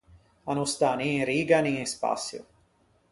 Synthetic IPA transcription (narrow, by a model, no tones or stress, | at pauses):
anust̪anĩɾiːɡanĩspa̰sjṵ